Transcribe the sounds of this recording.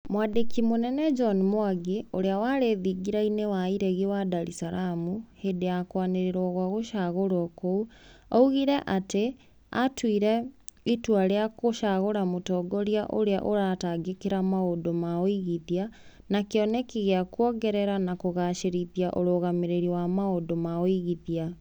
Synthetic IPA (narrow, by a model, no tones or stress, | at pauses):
mwadekimonɛnɛd͡ʒɔnmwaɡioɾeawaɾeðiɡiɾainewaiɾeɣiwadaɾisaɾamuheːdeakwaneɾeɾwɔɣwaɣoʃaɣoɾwɔkouauɣiɾɛʔate | a̰twiɾɛitwaɾeakoʃaɣoɾamotɔɡɔɾjaʔoɾea̰ʔoɾataɡekeɾamaodomaoiɣiðia | nakeɔnɛkiɣeakɔɡɛɾɛɾanakoɣaːʃeɾiðjaʔoɾoːɣameɾeɾiwamaodomaoiɣiðia